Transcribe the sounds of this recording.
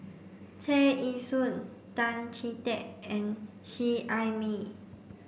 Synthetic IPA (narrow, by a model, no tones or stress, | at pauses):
tʰeʔisun | tãnt͡ʃʰitɛk̚ɛ̃n | ʃiʔajmi